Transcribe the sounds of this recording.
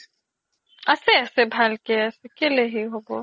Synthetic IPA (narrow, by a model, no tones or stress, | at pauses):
ɛːseɛːsebʱaːlkeɛːsekeleɦiɦoːɡo̰ː